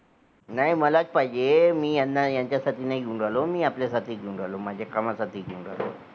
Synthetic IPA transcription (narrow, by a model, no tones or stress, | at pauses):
najməlat͡spaɦid͡ʑemiːjanːajaɲt͡ɕjasat̪ʰiːnaiɡʱiũɳɖalomiːapljasat̪ʰiːɡiũɳɖalom̤ad͡ʑʱjakamasat̪ʰiːɡʱiũɳɖa̰lo̰